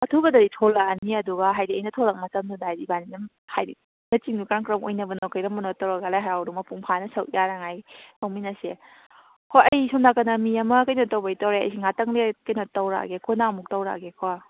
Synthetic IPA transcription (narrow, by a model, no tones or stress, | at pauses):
ɐtʰubɐdɐɾitʰɔlːaːniɐduɡɐɦajdiɐjnɐtʰoɾɐk̚mɐtɐmnudajdibaninɐm | hajdi | nɐt͡ʃiŋdukaɾaŋkɾɐmo̰jnɐbɐnokʰajɾɐmɐnotːɐwɾɐɡalajɦaɾawɾumɐpuŋpʰanɐsɐʔjaɾaŋajmʰawminɐse | kʰoɐjsɔmnakɐnɐmiɐmɐkɐjnotːɐwbɐjtɐwɾeɐ̰js̬iŋatɐŋlekɐjnotːɐwɾa̰ɡekʰɔnamuk̚tɐwɾa̰ɡekʰɔ